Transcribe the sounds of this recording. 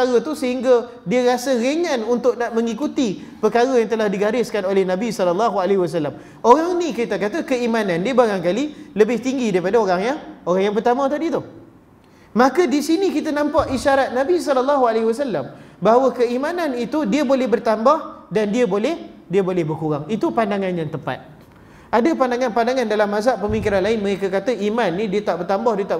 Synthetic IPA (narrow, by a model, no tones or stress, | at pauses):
əaɣət̪usəɦiŋɡa | diəɾasaɣeŋãnunt̪ʊk̚naʔmə̃ŋikut̪ipəkaɣajaŋt̪əlahdiɡaɾɪskanolɛhnãbisɔlɔlːaɦualɦiwas̬alːam | oɾaŋnĩkɾit̪akat̪akəimãnãndiəbaɣaŋkaliləbɪht̪iŋɡidaipadaoɾaŋjaoɾaŋjaŋpərt̪amə̃t̪adit̪u | makədisinikit̪anampaʔiʃaɾat̪̚nabisɔlalːaɦualeɦiwasalːambaɦawəkəimananit̪udiəbolɛhbərt̪ambahdandiəbolɛhdiəbolɛhbərkuɣaŋit̪upandaŋãnɲãt̪əpa̰t̪̚ | ʔadapandaŋanpandaŋandalamːazaʔpəmikiɾanlaɪnməɣekakat̪əʔimanːĩdiət̪aʔbərt̪ambahdiət̪a